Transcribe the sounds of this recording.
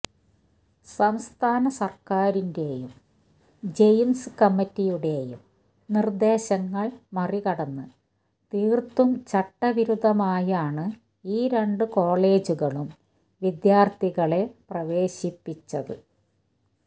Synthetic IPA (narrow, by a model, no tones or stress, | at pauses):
sɐmst̪ʰaːnɐsɐrkaːɾinde̞jum | d͡ʑe̞jnsɨkɐmːitːijuɽe̞jṵm | nird̪e̞ːɕɐŋːɐɭmɐrikɐɽɐnːɨ | t̪iːrt̪ːumt͡ɕɐʈːɐʋiɾud̪ʱːɐmaːjaːɳɨ | iːɾe̞ɳɖɨko̞ːɭe̞ːd͡ʑuɣɐɭum | ʋid̪jaːrt̪ʰiɣɐɭe̞prɐʋe̞ːɕipːit͡ɕːɐðɨ̰